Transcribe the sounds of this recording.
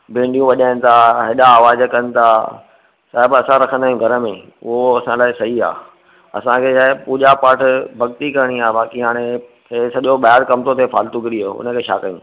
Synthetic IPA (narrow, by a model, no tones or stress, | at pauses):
bẽːɳɖijũʋɐʄaːɪnɪ̆t̪ʰaɦɪɗaːʋaːzkɐnɪ̆t̪ʰaː | saːɪbɐsãɾɐkʰə̃nd̪aːjũɡʱɐɾə̆mẽ | ʊɦoɐsãlaːɪsɐɦia̰ː | ɐ̰sãkʰeʃaːɦɪpuːʄapaːʈʰbʱɐɡt̪ikɐɾɽ̃iaːbaːkiɦaːɽ̃ẽ | esɐʄoɓajaɾkɐmt̪ot̪ʰefaːlt̪ʊkɪɾiɦoʊ̰nə̆kʰeːʃa̰ːkəjṵ̃